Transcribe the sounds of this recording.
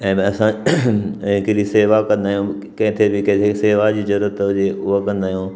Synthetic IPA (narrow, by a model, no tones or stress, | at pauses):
ɛ̃ːm̃ɐsã | kɪɾiseːʋakɐ̃nd̪aːijũ | kɦɪ̃t̪ʰebɪkɛ̃t̪ʰeseːʋad͡ʑiːzɐɾuɾət̪ʊd͡ʑeʊɦakɐ̃nd̪aːɦijũː